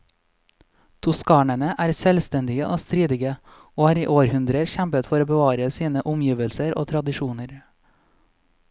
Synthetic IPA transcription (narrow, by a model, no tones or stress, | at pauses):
t̪ʰʊskɑːɳənəʔæːɾsɛlst̪ɛnd̪ɪɡə̰ʔoːst̪ɾiːd̪ɪɡə | oːɑːɾiːʔoːɾhʉnd̪ɾəɾçæmpət̪fɔɾoːbəʋɑːɾəsiːnəʔʊmjiːʋəlsəɾo̰ːt̪ʰɾɑd̪ɪʃuːnəɾ